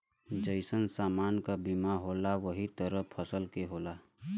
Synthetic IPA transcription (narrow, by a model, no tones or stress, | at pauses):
d͡ʒəɪsənsaːmaːnkabimaɦoːlaʋəɦit̪əɾəpʰəsəlkeɦoːlaː